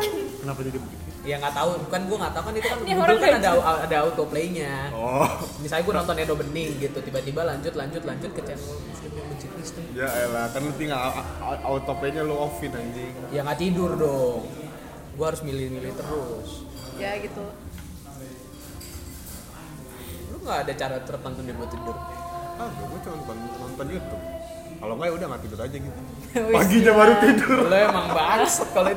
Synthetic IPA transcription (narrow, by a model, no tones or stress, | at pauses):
nikənapad͡ʒuɡat̪iijaŋɡaʔt̪aubukanɡuaŋat̪aukanit̪ukanubakanadaaadaːut̪opleiɲaɔnisajaɡuanɔnt̪ɔnenobənɪŋɡit̪ut̪ibat̪ibalaɲd͡ʒʊt̪laɲd͡ʒʊt̪laɲd͡ʒʊt̪̚kət͡ʃaanomuskɪmɲabəɲt͡ʃik̪lɪst̪ʊjajalahkarnat̪iŋaʔaut̪opleɲaloofɪnaɲd͡ʒijaŋat̪idʊrdɔŋ | ɡuaɦaɾʊsmilɪhmilɪht̪əɾʊs | jaɡit̪u | loŋɡaʔːdat͡ʃaɾat̪uɾət̪ant̪undiɡuat̪idʊrahɡuat͡ʃɔnt̪ɔnnɔnt̪ɔnjut̪ʊ | kalokajaudahŋat̪idʊɾad͡ʒaɡit̪u | waɡiɲabaɾut̪idʊrloemaŋbaskaloi